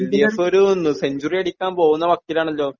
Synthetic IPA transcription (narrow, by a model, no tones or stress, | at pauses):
liɐsoɾuonːuseɲd͡ʑurijeɽikʲːaːmpo̞ːɣunːɐʋɐkːilaːɳɐlːo̞ː